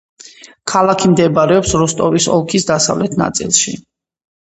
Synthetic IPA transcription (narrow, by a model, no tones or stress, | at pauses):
kʰalˠakʰimd̪ɛbaɾɛɔpsɾɔst̪ʼɔvisɔ̰lˠkʰisd̪asa̰vlɛt̪ʰna̰t̪sʼḭlˠʃḭ